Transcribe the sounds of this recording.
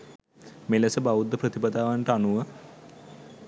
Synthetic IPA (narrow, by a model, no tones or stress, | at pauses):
meləsəbaʋud̪ːəpɾət̪ipad̪aːʋaɳʈəanuʋə